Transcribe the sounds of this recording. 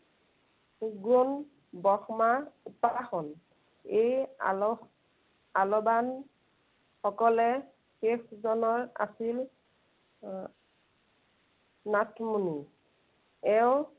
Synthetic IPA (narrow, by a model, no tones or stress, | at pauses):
uɡɹon | bɔxmaupaxɔn | ej | alɔban | xɔkɔlɛ | xexzɔnɔɹa̰sil | natʰmuni | ɛʊ̃